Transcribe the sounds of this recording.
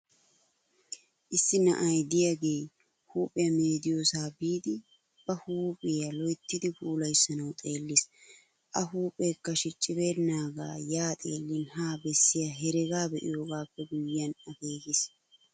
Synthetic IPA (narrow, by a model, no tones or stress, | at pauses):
ʔɪsːɪnɐ̰ʔɐjd̪ɪjaɡe̞j | huːpʼɛjɐmeːd̪ɪjoːsaːbiːd̪ɪ | b̥ɐhuːpʼɪjɐlɔjt̪ːɪd̪ɪbuːlɐjsːɐnɐwt̪ʼe̞ːlːɪs | ʔɐɦuːpʼeːkːɐʃɪt͡ʃʼːɪbeːd̪ɪnaːɡa̰ːjaːt̪ʼe̞ːlːɪnhaːbɛsːɪjɐɦɛɾɛɡaːbɛʔɪ̰jo̞ːɡaːpːɛɡʊjːɪːɐnɐɡeːɡɪs